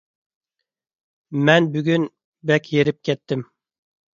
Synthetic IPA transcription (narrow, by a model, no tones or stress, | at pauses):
mɛnbyɡʲyn | bɛkʲʰjeɾɪp̚kʲʰɛt̪ːɪm